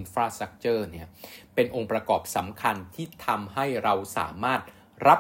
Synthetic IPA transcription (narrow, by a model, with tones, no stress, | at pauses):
nfɾaː˧sa˦˥k̚t͡ɕɤː˥˩ni˥˩ɐpe˧nʔo˧ŋpɾa˧kɔː˨˩p̚sa˩˦mkʰa˧nt̪ʰiː˥˩t̪ʰa˧mɦa˥˩jɾa˧wsa̰ː˩˦maː˥˩t̪̚ | ɾʔa˦˥